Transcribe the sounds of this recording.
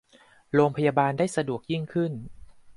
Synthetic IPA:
ɾoː˧mpʰa˧jaː˧baː˧ndaː˥˩jsa˧du˨˩ək̚ji˥˩ŋkʰɯ˥˩n

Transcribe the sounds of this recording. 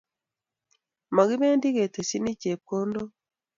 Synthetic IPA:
ma˨ɡi˦be˦ndi˦ɣe˨te˨si˦ni˦t͡ʃe˨p̚ko˦ndo˦

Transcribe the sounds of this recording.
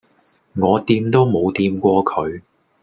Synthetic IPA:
ŋɔː˨˧t̪iː˧mt̪o˥wmo˨˧wt̪iː˧mkʷɔː˧kʰɵ˨˧ɥ

